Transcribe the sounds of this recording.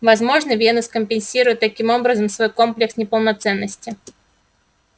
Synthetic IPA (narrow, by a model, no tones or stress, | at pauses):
vɐzmo̞ʐnəvʲenəskəmʲpʲɪnʲsʲiɾʊjɪt̪ːɐkʲimo̞bɾəzəmsvo̞jko̞mplʲɪksnʲɪpəlˠnɐt̪sɛnːəsʲtʲɪ